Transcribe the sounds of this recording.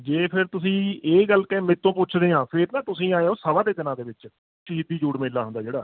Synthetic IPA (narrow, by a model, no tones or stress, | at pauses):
d͡ʒeːpʰɪɾt̪ʊsĩːeːɡəlkɛ̃ːmẽːt̪õːpʊt͡ʃʰd̪eːãːpʰɪɾnãːt̪ʊsĩːaːjeːoːsəʋaːd̪eːt̪ɪnãːd̪eːʋɪt͡ʃ | ʃɦɪd̪iːd͡ʒuːʈmeːlːaːɦʊnd̪aːd͡ʒeːɽaː